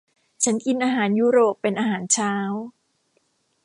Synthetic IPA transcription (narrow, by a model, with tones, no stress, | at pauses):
t͡ɕʰa˦˥nki˧nʔaː˧ɦaː˩˦njuː˦˥ɾoː˨˩pːe˧nʔaː˧ɦaː˩˦nt͡ɕʰaː˦˥w